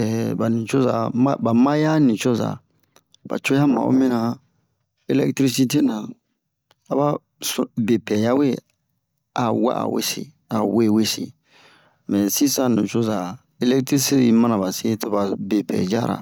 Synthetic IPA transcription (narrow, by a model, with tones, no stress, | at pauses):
ɛ˨ba˨nĩ˨t͡ʃo˦za˨ma˦ba˨ma˦ja˦nĩ˨t͡ʃo˦za̰˨ | b̥a̰˨t͡ʃo˦a˦mã̰˨o̰˦mĩ˦nã˨ | e˦lɛ˦ktɾi˦si˦te˦nã˨ | a˨ba˦ | sbe˨pɛ˨ja˦we˦ | a˨wa̰˦ʔa̰˨wḛ˦sḭ˨ | a˨we˦˨we˦sḭ˨ | mɛ̃˨si˦sã˦nũ˨t͡ʃo˦za˨ | e˦lɛ˦k̚tɾi˦si˦ɾi˨˦mã˦nã˨ba˨se˦to˦ba˨be˨pɛ̰˨d͡ʒa̰˦˨ɾa̰˨